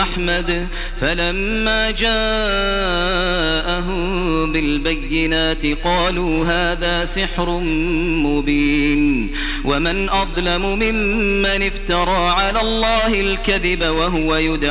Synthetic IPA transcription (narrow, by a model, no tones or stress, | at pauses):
ʔaħmad̪ | falamːaːd͡ʒaː | ʔaɦʊ | bɪlbajːɪnaːt̪ɪqɑːluːɦaːðaːsɪħɾʊmʊbiːn | wamɪnʔɑðˤlamʊmɪmːanɪft̪ɑɾˤɑːʕalaːlˤːɑːhɪlkaðɪbawaɦʊwajʊd̪